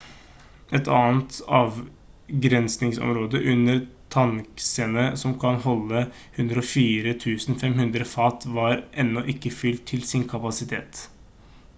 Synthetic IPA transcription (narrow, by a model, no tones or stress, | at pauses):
ɛt̪ʰɑ̰ːnt̪ɑːʋ | ɡɾɛnsnɪŋsɔ̰mɾoːd̪əʔʉnːəɾt̪ʰɑŋksənəsɔmkʰɑnhɔlːə | hʉnd̪ɾəɔfiːɾət̪ʰʉːsn̩fɛmhʉnd̪ɾəfɑːt̪ʋɑɾʔɛnːɔʔɪkːəfʏlt̪ʰːɪlsɪnkʰɑpɑsɪt̪ʰḛːt̪